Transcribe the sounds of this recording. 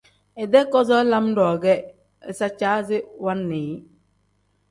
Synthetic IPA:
ɛ˨dɛ˦kɔ˦zɔ˦la˦mdɔː˨ɡɛ˦ | ɛ˨sa˦t͡ʃaː˦zɪ˦wa˦nːeː˨˦

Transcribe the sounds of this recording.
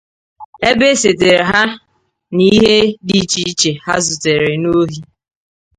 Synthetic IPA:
e˦be˦se˨te˨ɾe˨ɦa˦ | ni˦ɦe˦di˦t͡ʃi˦t͡ʃe˨ha̰˦zʊ˨te˨ɾe˨no˦ɦi˦

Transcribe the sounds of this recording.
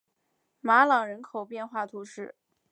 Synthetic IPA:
ma˧˥lɑ˨˩ŋɻə˧˥nkʰo˨˩ʊpjɛ˥˧nxwa˥˩t̪ʰu˧˥ʂɻ̩˥˩

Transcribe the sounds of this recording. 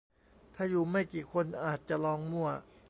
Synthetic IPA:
t̪ʰaː˥˩juː˨˩ma˥˩jkiː˨˩kʰo˧nʔaː˨˩t̪̚t͡ɕa˨˩lɔː˧ŋmu˥˩ɐ

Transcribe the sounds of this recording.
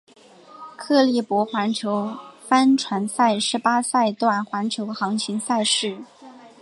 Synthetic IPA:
kʰɤ˥˧li˥˩pwɔ˧˥xwa˧˥nt͡ɕʰjo˧˥ʊfa˥nʈ͡ʂʰwa˧˥nsa˥˩ɪʂɻ̩˧˥pa˥sa˥˧ɪt̪wa˥˩nxwa˧˥nt͡ɕʰjo˧˥ʊxɑ˧˥ŋt͡ɕʰi˧˥ŋsa˥˧ɪʂɻ̩˥˩

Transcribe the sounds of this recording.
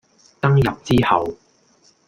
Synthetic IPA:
t̪ɐ˥ŋjɐ˨p̚t͡siː˥hɐ˨˩w

